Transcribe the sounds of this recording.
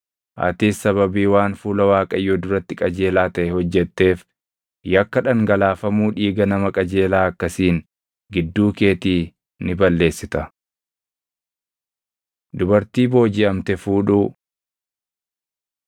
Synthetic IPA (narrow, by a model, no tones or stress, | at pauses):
ʔɐ̰t̪iːsɐβɐbiːwaːnfuːlɐwaːkʼɐjːoːd̪ʊɾɐt̪ːɪkʼɐd͡ʒe̞ːlaːt̪ɐʔɛhɔd͡ʒːɛt̪ːe̞ːf | jɐkːɐᶑɐŋɡɐlaːfɐmuːᶑiːɡɐnɐmɐkʼɐd͡ʒe̞ːlaːɐkːɐsiːn | ɡɪd̪ːuːke̞ːt̪iː | nɪbɐlːe̞ːsːɪt̪ɐ | d̪ʊbɐɾt̪iːbo̞ːd͡ʒɪʔɐmt̪ɛfuːᶑuː